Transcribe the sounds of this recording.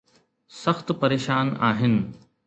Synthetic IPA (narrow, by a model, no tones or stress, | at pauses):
sɐxt̪pɐɾeːʃaːna̰ːɦɪnɪ̆